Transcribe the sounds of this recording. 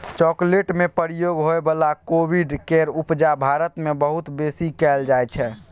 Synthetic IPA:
t͡ʃɔkleʈmepəɾijoɡɦoebəlakobʱiɖkeɾupd͡ʒabʱaɾət̪mebəɦut̪besikɛld͡ʒajt͡ʃʰɛ

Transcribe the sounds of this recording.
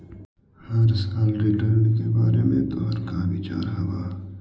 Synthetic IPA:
hɐɾsaːlɾiʈəɾnkebaːɾemḛ̃t̪oɾkaːmit͡ʃa̰ːɾɦɐwaː

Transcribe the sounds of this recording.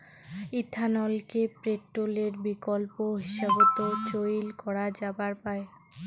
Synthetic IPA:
it̪ʰːanɔlkepɾeʈɾoleɾbikolpoɦiʃabot̪ot͡ɕojlkɔɾad͡ʑabaɾpae

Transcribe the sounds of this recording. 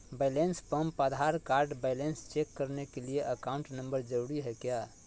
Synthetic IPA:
bajlenspəmpəd̪ʱaɾkaɾɖbaɪlenst͡ʃekːəɾnekelieʔəkaũɳʈnəmbəɾd͡ʒəɾuɽiɦekja

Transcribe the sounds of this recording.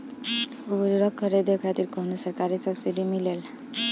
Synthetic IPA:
ubɾuɾəkʰːəɾed̪ekʰat̪iːɾkəɦnusəɾkaɾisəbsiɖimilel

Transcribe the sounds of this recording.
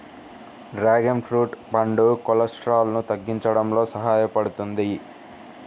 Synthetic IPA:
ɾaːɡempʰɾuːʈbɐɳɖukɔlɐsʈɾaːlɐnut̪ɐɡːiɲt͡ʃɐɽɐmlo̞ːsɐɦaːjɐpɐɽut̪und̪i

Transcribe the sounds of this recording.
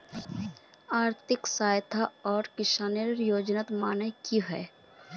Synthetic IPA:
aːɾt̪ʰɪksaːjt̪ʰaɔːɾkɪʃaːneɾɾjoːd͡ʒnaːt̪maːnəkiɦɛ̰ː

